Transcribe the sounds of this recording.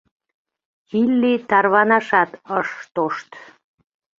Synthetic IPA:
ilːit̪ɑrβɑnɑʃɑt̪əʃt̪oʃt̪

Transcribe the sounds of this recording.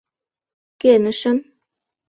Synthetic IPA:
kenɘ̆ʃɘ̆m

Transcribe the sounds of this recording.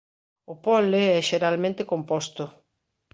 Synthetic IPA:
ʊpɔleɛʃeɾalmẽnt̪ɪkompɔst̪ʊ

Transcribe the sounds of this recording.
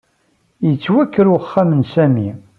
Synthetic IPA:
jət͡sːwækːəɾuχːamənsæmi

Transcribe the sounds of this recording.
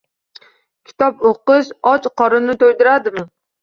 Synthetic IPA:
kʲʰi̥t̪ʰɑpoqɨʃɑt͡ʃqɑɾɨnɨt̪ʰojd̪ɪɾɑd̪ɨmɨ

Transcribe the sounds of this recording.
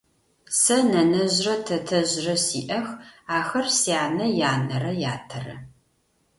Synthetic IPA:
sɐnɐnɐʑrɐtʰɐtʰɐʑrɐsiːʔɐxaːxɐrsijaːnɐjaːnɐrɐjaːtʰɐrɐ̰

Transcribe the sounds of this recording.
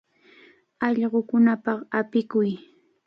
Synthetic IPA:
ɑʎɢokʊnapɑχapɪkʊj

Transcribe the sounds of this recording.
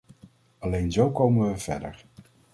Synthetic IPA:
ɑlejnzowkowmənʋəv̥ɛ̰də̰ɹ

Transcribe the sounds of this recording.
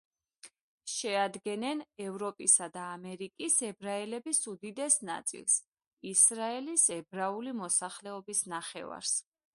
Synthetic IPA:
ʃɛad̪ɡɛnɛnɛvɾɔpʼisad̪aːmɛɾikʼisɛbɾaɛlɛbisud̪id̪ɛsna̰t̪sʼḭlˠs | isɾaɛlisɛbɾaulimɔsaχlɛɔbisnaχɛ̰va̰ɾs

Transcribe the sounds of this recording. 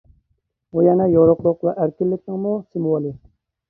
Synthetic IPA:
ujɛnɛjoɾʊqlˠʊqvɛʔæɾkʲɪlːɪk̚ʲnɪŋmusɪmuwolˠɪ

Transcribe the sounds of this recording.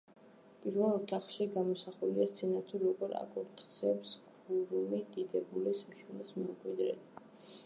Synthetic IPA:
pʼiɾvɛlˠɔt̪ʰaχʃiɡamɔsaχuliast̪sʰɛnat̪ʰuɾɔɡɔɾa̰ɡʼuɾt̪ʰχɛpsɡ | uɾumid̪id̪ɛbulɛsmʃinɛsmɔmkʼwid̪ɾɛ̰d̪

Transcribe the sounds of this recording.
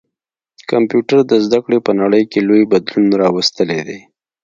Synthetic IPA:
kampjuʈaɾd̪əzd̪akɽepənaɽəjkelojbad̪lunɾɑwast̪əled̪e

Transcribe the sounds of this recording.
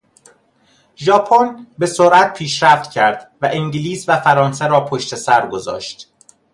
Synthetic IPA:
ʒɒːpʰonbe̞soɾʔæt̪̚pʰiːʃɾæft̪cʰæɾd̪væʔiŋɟiliːsvæfæɾɒːns̬eɾɒːpʰoʃt̪ʰe̞sæɾɡo̞zɒ̰ːʃt̪

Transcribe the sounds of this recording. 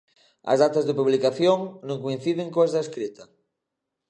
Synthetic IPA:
ɐ̰zðat̪azðepuβlikaθjoŋnõŋkoĩn̟θiðeŋkõazðaeskɾit̪ɐ

